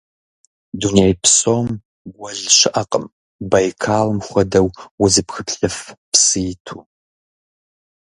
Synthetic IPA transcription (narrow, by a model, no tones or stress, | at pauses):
dunejpʰsoːm | ɡʷɐʒɕɪʔɐqʼəm | bajkʰaːlmχʷɐdɐwwʊzɨpxɨpɬɐfpsɨjtʰuː